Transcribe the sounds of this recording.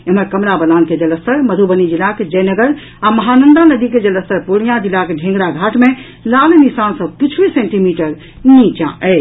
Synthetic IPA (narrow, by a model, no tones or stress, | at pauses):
eməɾkəmɾabəlanked͡ʒələsəɾməd̪ʱubənid͡ʒilaked͡ʒəjnəɡəɾ | aməɦanənd̪anəd̪iked͡ʒələst̪əɾpoɽijãd͡ʒilakeɖʱẽŋɡɽaɡʱaʈʰme | lalnisansə̃bkit͡ʃʰʋisẽɳʈimiʈəɾ | nit͡ʃã̰ʔɛ